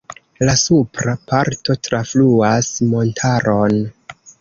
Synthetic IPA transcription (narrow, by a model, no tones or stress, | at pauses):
lasupɾapaɾto̞tɾafluasmo̞ntʰaɾʔo̞n